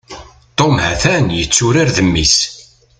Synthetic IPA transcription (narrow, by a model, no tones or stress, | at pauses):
t̪ˤːomhæ̰θænjət͡sːʊɾaɾðəmːis